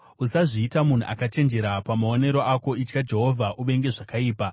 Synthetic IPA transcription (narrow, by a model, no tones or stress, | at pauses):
usaʐiːtamun̤ṵʔa̰kat͡ʃe̞nd͡ʒe̞ɾapamao̞ne̞ɾo̞ʔako̞it͡ʃkad͡ʒe̞ɦo̞vʱaʔuʋe̞ŋɡe̞ʐakaiːpa